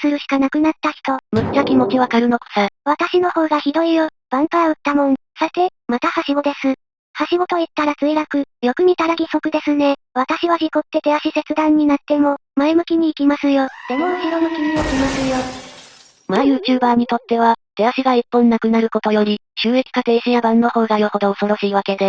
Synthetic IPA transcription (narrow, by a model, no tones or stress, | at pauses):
sɨɾɯ̟ɕi̥kanakɯ̟nat̪ːaçi̥t̪o̞mɯ̟kzakʲimo̞kʲiβakaɾɯ̟no̞ko̥saβat̪aɕino̞ho̞ːɡaçid̪o̞ijo | b̥ãŋk̪aɾaɯ̟t̪ːamõ̞ɴsot̪e̞mat̪ahaɕiɡo̞d̪e̞sɨ | haɕiɡo̞t̪o̞it̪ːaɾat͡sɨiɾakɯ̟jo̞kɯ̟ɲ̟it̪aɾaɡʲiso̞kɯ̟d̪e̞sɨne̞ | βat̪aɕiβaçʲiko̞t̪ːe̞t̪e̞aɕise̞t͡sɨd̪ãɲ̟ːinat̪ːe̞mo̞maemɯ̟kʲiɲ̟iːkʲimasɨjo̞d̪̥e̞mo̞ɯ̟ɕiɾo̞mɯ̟kʲiɲiokʲimasɨjo̞ | majɯ̟ːt͡ɕɨːbaːɲ̟it̪o̞t̪ːe̞β̞at̪e̞aɕiɡaipːõ̞nːakɯ̟naɾɯ̟ko̞t̪o̞jo̞ɾʲiɕɨːe̞kʲi̥kat̪e̞ːɕijabãnːo̞ho̞ːɡajoho̞d̪o̞ːso̞ɾo̞ɕiːβake̞d̪e̞